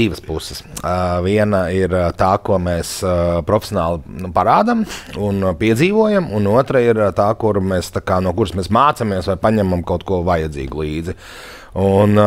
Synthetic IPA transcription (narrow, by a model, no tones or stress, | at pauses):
iʋəspusɪ̥sviɛnaiɾt̪aːkuɔmeːspɾɔfʲe̥sʲjɔnaːlˠnupaɾaːd̪amunpiɛdziːʋuɔjamunuɔt̪ɾaiɾt̪aːkuɾmeːst̪akaːnuɔkuɾsmɛːsmaːt̪samiɛsʋajpaɲɛmamkawt̪kuɔʋajad̪zḭːɡulˠiːd̪zi | un